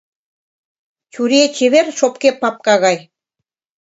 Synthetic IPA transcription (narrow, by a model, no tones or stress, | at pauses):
t͡ɕuɾet͡ɕeβerʃopkepːɑp̚kɑɣɑj